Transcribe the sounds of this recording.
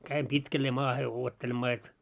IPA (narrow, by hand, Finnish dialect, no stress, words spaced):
kæim pitkælːeː mɑːhe uotːelemːɑː jot